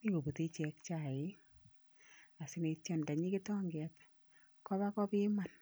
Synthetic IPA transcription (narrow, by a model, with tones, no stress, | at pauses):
ni˦ko˨bu˨ti˦t͡ʃɛ˧k̚t͡ʃa˦˨ɪ˨˦ | a˨sɪ˦ne˧t͡ʃɛ˦nda˨ɲi˦ki˦tɔ˦ŋɡɛ˨t | kɔ˦ba˦kɔ˦pi˦ma˨n